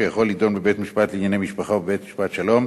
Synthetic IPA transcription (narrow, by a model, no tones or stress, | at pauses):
ejaχo̞lːido̞nbebetmiʃpat̪liːnɲanejmiʃpaχabebet̪miʃpat̪ʃalo̞m